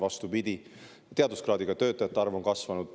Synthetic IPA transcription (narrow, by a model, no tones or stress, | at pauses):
vɑst̪upid̪ʲi | ɑt̪e̞ɑd̪uskɾɑːd̪iɡ̥ɑt̪ø̞ːt̪ːˑɑjet̪ːˑɑrvo̞ŋkɑsvɑnud̪̥